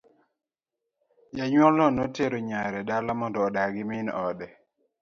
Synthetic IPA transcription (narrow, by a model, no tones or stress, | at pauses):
jaɲwɔlɔnɔteɾoɲaɾɛdalamɔndɔːdaɡɪmɪnɔdɛ